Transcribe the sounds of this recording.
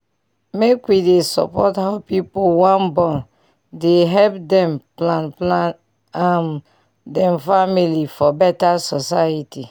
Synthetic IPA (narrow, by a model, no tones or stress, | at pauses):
mekwidesɔ̰pɔthaʊpipowãnbɔ̃n | deɦɛp̚dɛ̃mplana | am | dɛ̃mfamilifɔbɛtasɔsajiti